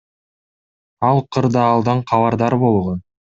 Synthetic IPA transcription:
ɑlˠqʰɯɾd̪ɑːlˠd̪ɑɴqʰɑβɑɾd̪ɑɾbo̞lˠʁon

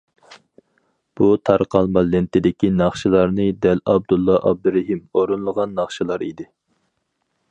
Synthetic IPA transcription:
b̥ut̪ʰɑɾqɑlˠmɑlɪnt̪ʰɪd̪ɪkʲinɑχʃilˠɑɾnɨd̪ɛlɑb̚d̪ulˠːɑʔɑ̰b̚d̪ɨɾɪɦimoɾunlˠəʁɑnːɑχʃilˠɑɾid̪ɪ

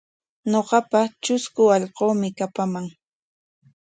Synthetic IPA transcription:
ɲoɢɑpat͡ʃʊskʊɑʎqoːmɪkapamaŋ

